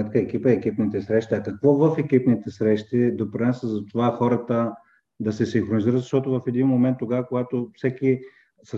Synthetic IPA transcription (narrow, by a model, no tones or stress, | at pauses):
mɛt̪̚kəɛkipəiɛkipnit̪ɛsɾɛʃt̪iɐkɐkvɔvəfɛkipnit̪ɛsɾɛʃt̪id̪opɾinasəzɐt̪ovaxɔɾət̪ə | d̪ɐsɛsiŋxɾoniziɾət̪zɐʃt̪ɔt̪ʊvəfɛd̪inmomɛnt̪ːoɡavəkoɡat̪ofsɛki | sə